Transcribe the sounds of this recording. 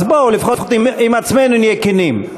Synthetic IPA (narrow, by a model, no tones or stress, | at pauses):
zbolifχofχot̪iimat͡smenunjekenim